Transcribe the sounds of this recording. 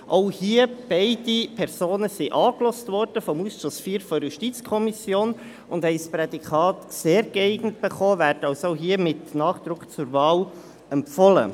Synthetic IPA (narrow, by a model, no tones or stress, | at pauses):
ʔoʊhiəb̥ɛɪdipʰɛɾsoːnəsiʔɑːklɔstvɔrd̥əfɔmusʃʊsfiːɾfɔjuʃtit͡skʰɔmisjoːn | ʊndhɛɪspɾɛdikʰɑːtseːɾɡ̥ɛɪɡnətb̥ɛχoːvæːɾtɑʊsoʊɦiəmɪtnɑːχd̪̥ɾʊkχt͡sʊɾvɑːl | ɛmpfɔlə̰